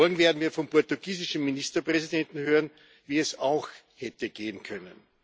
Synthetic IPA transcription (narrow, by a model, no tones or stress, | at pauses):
ɔlɡŋ̩veːɐdn̩viːɐfɔmpɔɐtuɡ̥iːzɪʃn̩ːinistɐpʁ̥ɛzidɛntn̩høːʁən | viːɛsaʊx | hɛtəɡ̥eːənkʰœnə̰n